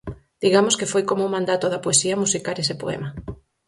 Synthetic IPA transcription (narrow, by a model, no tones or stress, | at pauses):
d̪̥iɣamoskefojkomoumãnd̪at̪oðɐpoesiɐmusikaɾesɪpo̰ɛ̰ma